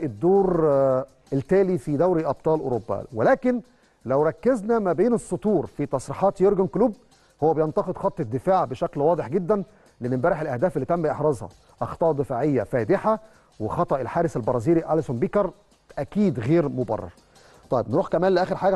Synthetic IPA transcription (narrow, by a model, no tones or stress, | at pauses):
ʔed̪ːoːɾ | elt̪æːlifid̪æwɾiʔɑb̚t̪ˤɑːlʔo̰ɾobːæ̰welæːken | læwɾˤɑkːeznæmæbeːnesˤːot̪uːɾfit̪ɑsˤɾiħɑːt̪joɾɡonkluːb̚ | howːæbejent̪ɑqed̪xɑt̪ˤːed̪ːefaːʕbeʃæklwɑːd̪ˤeħɡed̪ːæn | leʔnːɪmbæːɾeħelʔæhd̪æːfelːiːt̪æmbiʔeħɾˤɑːzhɑ̰ | ʔɑxt̪ˤɑːʔd̪ːefaːʕejːæfæːd̪ɪħa | wexɑt̪ˤɑʔelħaːɾɪsælbɑɾˤɑziːɾiʕalæsombiːkɑɾˤ | ʔækiːd̪ɣeːɾmobɑ̰rˤːɑ̰ɾˤ | t̪ˤɑjebnɾuːħkæmæːnleʔæːxeɾħaːɡæ